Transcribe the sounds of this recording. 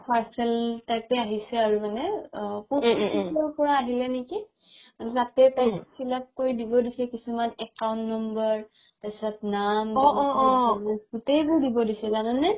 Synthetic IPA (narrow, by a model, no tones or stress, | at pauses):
pʰaɹsɛltajk̚ɛaɦisɛaɹumanɛkuisɔɹpɔɹaːɦilɛneki | manɛtatɛtajsʰilap̚koɹidibɔdisɛkisumanɛkaw̃ntnɔmbəɹ | tasatnamɡaɔɔmasɡutejbʊɹdibɔdisɛzananɛ